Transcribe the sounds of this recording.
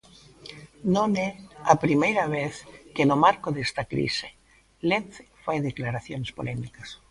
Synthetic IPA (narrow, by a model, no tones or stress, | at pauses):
nõneapɾimejɾaβ̞eθkenomaɾkoðest̪akɾḭse̥ | lenθe̥fajðeklaɾaθjonespo̰lemikas